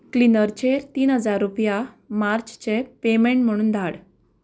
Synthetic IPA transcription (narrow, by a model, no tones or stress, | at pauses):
klinəɾt͡ɕeɾt̪iːnɦəd͡zaɾːupja | maɾt͡ɕt͡ɕepemeɳʈm̤əɽ̃uːnd̪ʱaɽ